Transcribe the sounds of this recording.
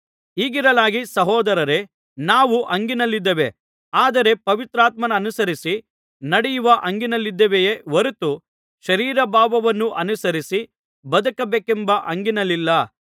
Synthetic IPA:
iːɡiɾɐlaːɡisɐɦɔːd̪ɐɾɐɾe̞ | naːʋuʔɐŋɡinɐlːid̪ːɐʋe̞ | aːd̪ɐɾe̞pɐʋit̪ɾaːt̪mɐnɐːnusɐɾisi | nɐɽɛjuʋɐʔɐŋɡinɐlːid̪ːɐʋejeʋɐɾut̪u | ʃɐɾiːɾɐbaːbɐʋɐnːuʔɐnusɐɾisi | bɐd̪ɐkɐbeːkembɐʔɐŋɡinɐlːilːɐ

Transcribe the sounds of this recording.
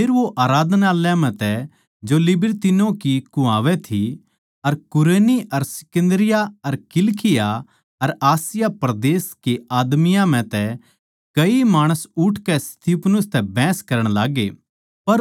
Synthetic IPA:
pʰeːɾʋoʔaːɾaːd̪ʱnaljamɛ̃t̪ɛ | d͡ʒolɪbɪɾt̪ɪnõkikʊ̃aːʋɛt̪ʰi | ɐɾkʊɾeːniʔɐɾsɪ̥kə̃nd̪ɾɪjaɐɾkɪlkʰɪja | ɐɾaːsɪjapɾɐd̪eːskeaːd̪mɪjãm̤ɛ̃t̪ɛ | kɐimaːɽ̃əsʊʈʰkɛst̪ʰipnʊst̪ɛbɛ̃ːskɐɾəɽ̃laːɡe | pɐɾ

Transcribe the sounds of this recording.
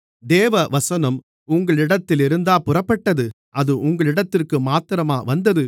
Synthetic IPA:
d̪eːʋɐʋɐsɐnɐm | ʊŋɡɐɭɪɽɐt̪ːɪlɪɾɯnd̪aːpʊrɐpːɐʈːɐðɯ | ʔɐðɯʔʊŋɡɐɭɪɽɐt̪ːɪrkɯmaːt̪ɪɾɐmaːʋɐnd̪ɐðɯ

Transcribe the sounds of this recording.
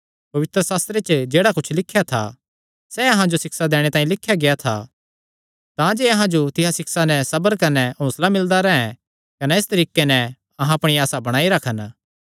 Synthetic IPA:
pɐʋɪt̪ɾəsaːst̪ɾet͡ʃd͡ʒeːɽakʊt͡ʃʰlɪkʰːjat̪ʰa̰ | sɛɐɦãd͡ʒosɪksad̪eːɽ̃et̪aːĩlɪkʰːjaɡeat̪ʰa̰ | t̪ãd͡ʒeɐɦãd͡ʒot̪ɪɦasɪksanɛsɐbəɾkɐnɛɦõːslamɪld̪aɾɛɦɛ̃ | kɐnɛeːst̪ɐɾiːkenɛ | ɐɦãɐpɽ̃iaːsabɐɽ̃aːiɾɐkʰən

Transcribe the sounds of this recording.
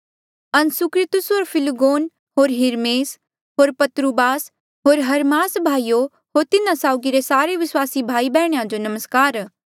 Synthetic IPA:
ɐnsʊkɾɪt̪ʊsoːɾpʰɪlɡoːn | ɦoːɾɦɪɾmeːs | ɦoːɾpɐt̪ɾubaːs | ɦoːɾɦɐɾmaːsbʱaːijo | ɦoːɾt̪ɪnãsaːʊɡiɾesaːɾeʋɪswaːsibʱaːibɛːɽ̃ejãd͡ʒonɐməskaːɾ

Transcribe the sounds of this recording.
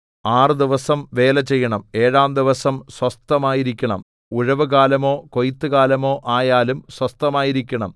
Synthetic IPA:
aːrɨd̪iʋɐsɐmʋe̞ːlɐt͡ɕːe̞jːɐɳɐme̞ːɻaːmd̪iʋɐsɐmswɐst̪ɐmaːjiɾikʲːɐɳɐm | uɻɐʋɨɣaːlɐmo̞ːkojit̪ːɨɣaːlɐmo̞ːʔaːjaːlumswɐst̪ɐmaːjiɾikʲːɐɳɐm

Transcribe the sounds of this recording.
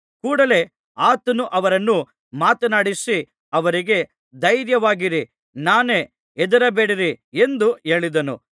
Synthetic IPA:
kuːɽɐle̞ | aːt̪ɐnuʔɐʋɐɾɐnːu | maːt̪ɐnaːɽisi | ɐʋɐɾiɡe̞ | d̪ɐjɾjɐʋaːɡiɾi | naːneː | ɛd̪ɐɾɐbe̞ːɽiɾie̞nd̪ue̞ːɭid̪ɐnṵ

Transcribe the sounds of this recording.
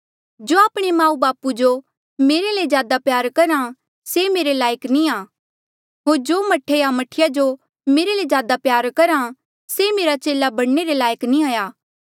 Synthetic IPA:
d͡ʒoːaːpɽ̃emãːũbaːpud͡ʒo | meːɾelezjaːd̪apjaːɾkɐɾã | semeːɾelaːjəknĩaː | ɦoːɾd͡ʒoːmɐʈʰeamɐʈʰɪjad͡ʒo | meːɾelezjaːd̪apjaːɾkɐɾã | semeːɾat͡ʃeːlabɐɽneɾelaːjəknĩaːjaː

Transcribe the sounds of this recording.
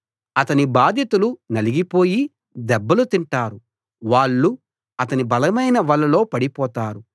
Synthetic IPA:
ɐt̪ɐnibaːd̪ʱjɐt̪ulunɐliɡipo̞ːji | d̪ɛbːɐlut̪iɳʈaːɾu | ʋaːɭːu | ɐt̪ɐnibɐlɐmɐjnɐʋɐɭːɐlo̞ːpɐɽipɔːt̪aːɾu

